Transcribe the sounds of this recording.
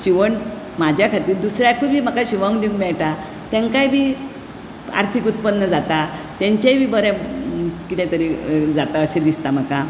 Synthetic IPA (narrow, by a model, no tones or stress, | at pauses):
ɕiʋəɳ | mad͡ʑjakʰat̪iːɾd̪usɾjakʰubʱiːm̤əkaɕiʋãũkd̪iũŋkmɛɭʈa | t̪ɛ̃ŋkajbʱiː | a̰ɾt̪ʰikut̪̚pənːəd͡zat̪at̪ɛ̃ɲt͡ɕajbʱiːbəɾɛ̃ | kit̪ɛ̃t̪əɾid͡zat̪aəɕed̪ist̪am̤əka